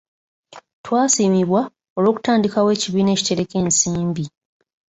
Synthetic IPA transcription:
twaːsiːmiβwa | o̞lo̞ːku̥taːndikawe̞ːciβiːne̞ːci̥te̞ɾe̞ke̞ːnsiːmbi

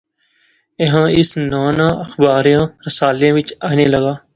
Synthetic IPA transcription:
eɦãːɪsnaːnãːəxbaːɾijãːɾəsaːljãːʋɪt͡ʃaːneːləɡaː

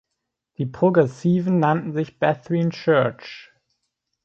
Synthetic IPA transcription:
d̥iːpʁ̥oɡʁɛsiːvn̩nantn̩zɪçb̥ɛθʁint͡ʃɜɐt͡ʃ

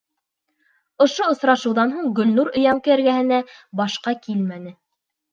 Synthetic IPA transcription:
ŏʃoŏsɾɑʃɤ̆wðɑnɦuɴɡɵ̆lnuɾɵ̆jɑŋkɤɘɾɡæhɘ̆næbɑʃqɑkilmænɘ

